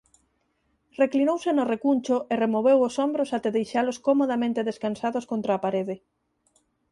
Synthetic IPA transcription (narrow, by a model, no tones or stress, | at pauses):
reklinowsɪnʊrekunʲt͡ʃʊʔeremoβ̞ewosombɾosat̪eðejʃaloskomoðamẽnt̪eðeskansaðoskont̪ɾaːpaɾeðɪ